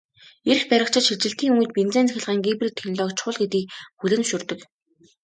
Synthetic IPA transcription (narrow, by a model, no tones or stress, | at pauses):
er̆xpæɾʲɪ̆kt͡ɕʰɪ̆t̪ʃit͡ɕɪ̆ɬt̪iːŋuŋɘ̆t̪pint͡seːnt͡sæxʲɪ̆ɮʁaːŋɡiprit̪ʰxenɮɔːkt͡ɕʰχʊːɮɡet̪iːk̚xuɮɘ̆nuʃɵ̆rt̪ɵ̆k